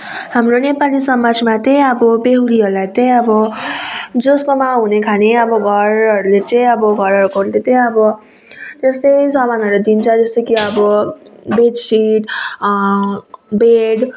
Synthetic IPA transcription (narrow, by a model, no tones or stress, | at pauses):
ɦhamronepalisʌmad͡zʱmat̪ʌj̃ʌbʌbeɦuɾiɦʌɾlajt̪ʌj̃ʌbʌ | d͡zoskomaɦunekʰaneʌbʌɡʱʌrʌɾulet͡sʌ̃ĩʌbʌɡʱʌɾɦʌɾukʌɾulet̪ʌ̃j̃ʌbʌ | t̪est̪ʌjsʌmanʌɾud̪int͡sʰʌd͡zʌst̪okiʌbʌbed͡zsiʈ | beɽ